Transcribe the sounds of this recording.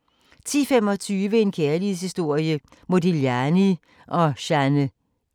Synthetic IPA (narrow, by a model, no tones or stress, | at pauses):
t͡sʰḭːfem̰ɒ̽t͡sʰyːʋəe̝nkʰæɐlið̩ˠshisd̥o̝ɐ̰jə | mod̥iljæni | ʔɒ̽ɕænə